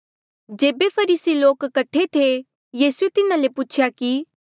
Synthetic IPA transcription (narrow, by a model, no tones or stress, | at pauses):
d͡ʒeːbepʰɐɾiːsiloːkːɐʈʰːet̪ʰe | jiːsuet̪ɪnãleput͡ʃʰjaki